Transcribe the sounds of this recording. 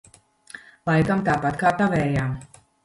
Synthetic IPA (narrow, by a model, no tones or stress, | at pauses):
lˠajkamt̪aːpat̪kaːt̪avɛːjaːm